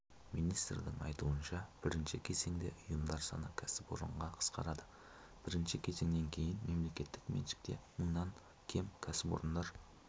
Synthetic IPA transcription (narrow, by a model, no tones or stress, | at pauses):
mijnijst̪rd̪ɪŋɑ̰jt̪uənʃɑb̥ɪɾɪnʃɪkʲʰe̞ze̞ŋd̪e̞̰ʔʊjəmd̪ɑɾsɑ̰nɑkʲʰæsɪpo̞̰ɾə̰ɴʁɑqʰə̥sqɑ̰ɾɑd̪ə | b̥ɪɾɪnʃɪkʲʰe̞ze̞ŋd̪e̞ŋkʲʰe̞jɪnme̞mle̞kʲe̞t̪ːɪkmḛnʃɪ̥k̚t̪e̞məɴnɑŋ | kʲʰe̞mkʲʰæsɪpo̰ɾənd̪ɑɾ